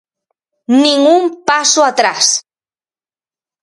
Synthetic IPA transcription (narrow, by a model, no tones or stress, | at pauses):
nɪŋumpasoat̪ɾas